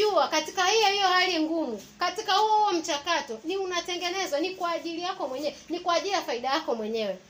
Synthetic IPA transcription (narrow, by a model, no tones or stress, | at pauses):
uakati̥kahijɔhijɔhaliŋɡumu | katikahuɔm̩t͡ʃakatɔniunatɛŋɡɛnɛzanikwaːʄilijakɔmwɛɲɛnikwaʄiliafaiɗajakɔmwɛɲɛwɛ